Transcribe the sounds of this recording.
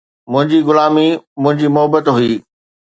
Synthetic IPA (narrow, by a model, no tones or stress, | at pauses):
mʊ̃ɦɪ̃ɲd͡ʑiɡʊlaːmimʊ̃ɦɪ̃ɲd͡ʑiːmʊɦəbət̪ɦʊiː